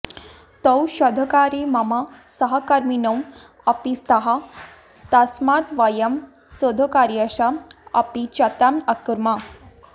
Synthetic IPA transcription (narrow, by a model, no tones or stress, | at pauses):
t̪əwɕɔd̪ʱəkaɾimamasəɦakaɾminəm | ɐpist̪aɦa | t̪asmat̪ʋajɐm | səd̪ʱəkaɾjaɕaɐ̰pit͡ɕat̪amakɾma